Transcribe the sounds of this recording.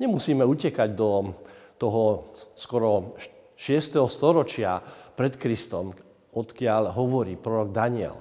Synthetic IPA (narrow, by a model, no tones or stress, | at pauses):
ɲɛmusiːmɛucɛkaɟd̪ɔt̪ɔɦɔskɔɾɔ | ʃɪɛst̪ɛɦɔst̪ɔɾɔt͡ʃɪapɾɛt̪kɾist̪ɔm | ɔt̪kɪaʎɦɔʋɔɾiːpɾɔɾɔɡ̚d̪aɲɪɛ̰l